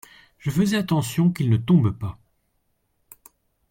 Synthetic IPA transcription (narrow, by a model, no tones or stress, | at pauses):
ʒ̥əfəzɛat̪ɑ̃sjɔ̃kilnət̪ɔ̃bpa